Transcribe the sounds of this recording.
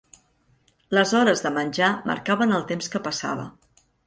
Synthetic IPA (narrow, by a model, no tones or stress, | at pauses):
ləzɔɾəzðəmənʲd͡ʒamə̰ɾkaβənəlˠt̪emskəpəsa̰βə̰